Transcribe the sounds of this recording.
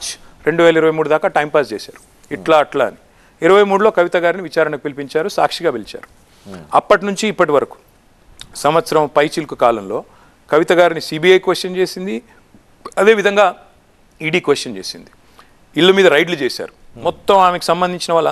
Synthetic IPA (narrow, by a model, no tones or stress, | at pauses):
t͡ʃ | ɾe̞ɳɖuʋɛːlɐiɾɐʋɐjmuːɽud̪aːkaːʈɐjmpaːst͡ʃeːsa̰ːɾu̥ | iʈlaːɐʈla̰ːni | iɾɐʋɐjmuːɽulo̞ːkɐʋit̪ɐɡaːɾiniʋit͡ʃaːɾɐɳɐkupilipiɲt͡ʃaːɾusa̰ːkʂiɡaːbelit͡ʃa̰ːɾu | ɐpːɐʈinuɲt͡ʃiːpːɐʈiʋɐɾɐku̥ | sɐmʋɐt̪sɐɾɐmpɐjt͡ʃilkukaːlɐmlo̞ː | kɐʋit̪ɐɡaːɾinisiːbiːɐjkʋesʈjɐnt͡ʃe̞ːsind̪i | ɐd̪eːʋid̪ʱɐŋɡaː | iːɖiːkʋesʈjɐnt͡ʃe̞ːsind̪i | iɭːɐmiːd̪ɐɾɐjɖlut͡ʃeːsa̰ːɾumɔt̪ːɐmaːmeki̥sɐmbɐnd̪ʱiɲt͡ʃinɐʋaːɭːɐ